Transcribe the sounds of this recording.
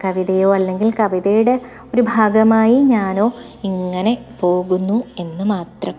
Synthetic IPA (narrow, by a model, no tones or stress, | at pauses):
kɐʋiðɐjo̞ːɐlːe̞ŋɡilkɐʋiðɐjuɽe̞ | o̞ɾubʱaːɡɐmaːjiɲaːno̞ː | iŋːɐne̞po̞ːɣunːue̞nːɨmaːt̪rɐm